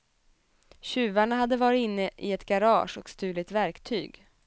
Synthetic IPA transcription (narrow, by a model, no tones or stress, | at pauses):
ɕʉ̟ːvaɳaɦad̪ːəvɑːɾɪt̪ɪnːəʔɪɛt̪ɡaɾɑːʂɔkst̪ʉ̟ːlɪt̪væɾkt̪ʰy̰ːɡ